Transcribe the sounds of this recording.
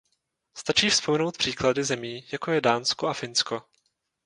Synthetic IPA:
st̪at͡ʃiːfspo̞mɛno̞wt̪̚pr̥iːkladɪzɛmiːjako̞jɛdaːnskoafɪnsko̞

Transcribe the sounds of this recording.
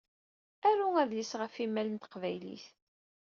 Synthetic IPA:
æɾuæðlisʁəfimːælənt̪ə̥qvæjlḭθ

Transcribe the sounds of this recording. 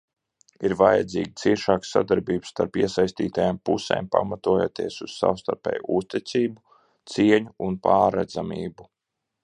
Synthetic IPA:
iɾvajad̪ziːɡʲit̪siɛʃaːksa̰d̪aɾbiːbsːt̪aɾpiɛsajsʲt̪ḭːt̪ajaːmpusɛ̰ːmpa̰mat̪uɔjoːt̪iɛsuz̥sa̰wst̪aɾpɛ̰ːjuust̪it̪siːbu | t̪siɛɲuunpaːɾɛd̪zamḭːbu

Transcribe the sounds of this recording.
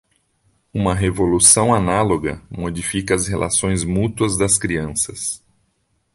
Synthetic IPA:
ũmɐɦevolusɐ̃w̃analoɡɐ̰mod͡ʒifikɐɐzhelʔa̰sõj̃zmut̪uɐzd̪ɐskɾiɐ̃sɐs

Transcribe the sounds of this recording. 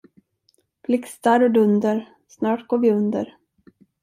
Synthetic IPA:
b̥lɪkst̪aɾɔd̪ɵnd̪əɾ | snɑːʈɡoːɾvɪɵnd̪ə̰ɾ

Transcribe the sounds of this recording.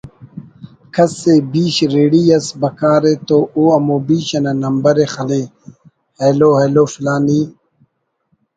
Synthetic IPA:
kʰɐsebiːɕɾeːɽijɐsbɐkaːɾet̪oːoɐmobiːɕɐnɐnɐmbɐɾexɐle | heloːɦeloːfilaːniː

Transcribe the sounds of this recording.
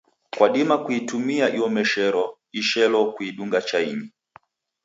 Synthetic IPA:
kwaɗimakuitumiaʔiɔmɛʃɛɾɔ | iʃɛlɔkuiɗuŋɡat͡ʃaiɲi

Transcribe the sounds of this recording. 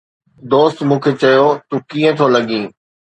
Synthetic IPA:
d̪oːst̪mũːkʰet͡ɕɐjot̪ũːkĩːə̃t̪ʰolɐɠĩː

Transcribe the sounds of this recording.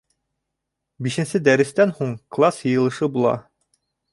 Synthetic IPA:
biʃɘ̆nsɘd̪æɾɘ̆st̪ænhuɴklˠɑsjɤ̆jɤ̆lˠɤ̆ʃɤbulˠɑ̰

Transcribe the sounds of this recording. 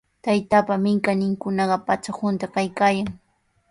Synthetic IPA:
t̪ajt̪apamɪŋkanɪŋkʊnɑɢɑpat͡ʃakʊnt̪akajkaːjaŋ

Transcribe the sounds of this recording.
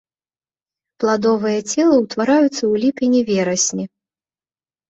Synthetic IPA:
plˠad̪ɔvɨjɐt͡sʲɛlˠɐwt̪vaɾajut̪sːɐwlʲipʲinʲivʲɛɾɐsʲnʲi

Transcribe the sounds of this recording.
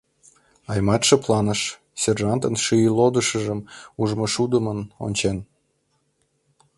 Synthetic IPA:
ɑjmɑt̪ʃəplˠɑnəʃ | sʲerʒɑnt̪ənʃyjəlod̪əʃəʒəmuʒmoʃud̪əməno̰nʲt͡ɕen

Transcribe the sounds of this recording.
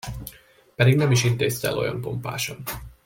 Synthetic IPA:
pɛd̪iɡnɛmiʃint̪eːst̪ɛ̰lo̞̰jɒ̰npo̞mpa̰ːʃɒn

